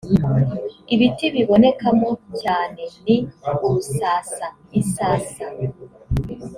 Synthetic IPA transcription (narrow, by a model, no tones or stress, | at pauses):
iβitiβiβo̞ne̞kamo̞caːne̞niuβusaːsa | isaːsa